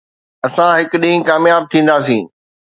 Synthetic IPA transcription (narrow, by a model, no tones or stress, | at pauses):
ɐsãɦɪkʊɗĩːkaːmjaːb̚t̪ʰĩːn̆d̪aːsĩː